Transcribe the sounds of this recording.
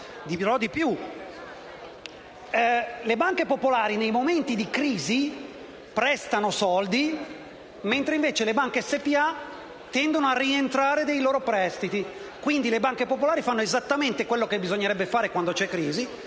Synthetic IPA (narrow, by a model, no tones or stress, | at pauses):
d̪iɾɔd̪ipju | lebaŋkepopolaːɾinejmoment̪id̪ikɾiːzi | pɾɛst̪anosɔld̪i | ment̪ɾeiɱveːt͡ʃelebaŋkesːepia | t̪ːɛnd̪onoarːient̪ɾaːɾed̪ejloːɾopɾɛst̪it̪i | kwind̪ilebaŋkepopolaːɾifanːoezat̪ːament̪ekwelːokebːizoɲːeɾɛbːefaːɾekwand̪ot͡ʃɛkːɾiːzi